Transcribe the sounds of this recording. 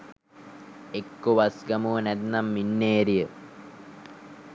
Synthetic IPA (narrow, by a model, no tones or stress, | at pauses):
ekːoʋasɡamuʋənæd̪namːinːeːɾijə